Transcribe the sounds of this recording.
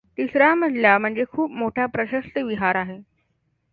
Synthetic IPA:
t̪isɾam̤əʈ̪ljam̤əɳd͡zekʰuːpmoʈʰapɾəɕəst̪əʋiɦaɾaɦe

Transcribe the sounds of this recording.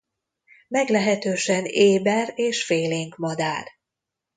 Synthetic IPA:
mɛɡlɛɦɛt̪øːʃɛneːbɛreːʃfeːleːŋkmɒd̪aːr

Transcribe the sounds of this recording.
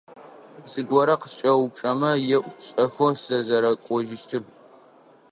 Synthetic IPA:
sɨɡʷɔɾɐqəst͡ʃʼɐwʊp̚t͡ʃʼɐmɐjɛʔʷɕʼɐxosz̥ɐzɐɾɐkʷʼɔʒɪʃtʰɨr

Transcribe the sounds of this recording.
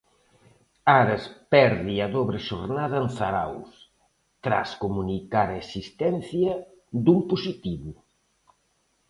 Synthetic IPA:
aɾɐspɛɾðiɐðoβɾɪʃoɾnaðɐenθaɾa̰ws | t̪ɾa̰skomunikaɾɐesist̪ɛn̟θjɐ | d̪umpusit̪iβu

